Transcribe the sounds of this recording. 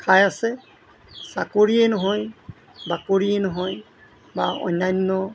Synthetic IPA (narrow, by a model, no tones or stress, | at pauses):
kʰajasɛ | sakoɹiɛnɔɦɔj | bakoɹiɛnɔɦɔj | baɔ̰jnːajnːɔ